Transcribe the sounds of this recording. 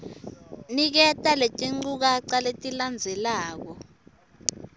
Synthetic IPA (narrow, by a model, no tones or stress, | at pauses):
nik̬ɛtʼaletʼiŋ͡ǀuk̬aǀaletʼiland͡zʱɛlaːk̬ɔ